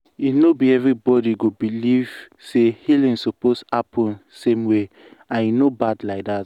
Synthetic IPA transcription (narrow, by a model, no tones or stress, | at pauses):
inobiɛvɹibɔdiɡobiliv̥ | sehilĩnsoposapʰɔ̃nsẽmwe | ãnjinobadlaɪk̚dat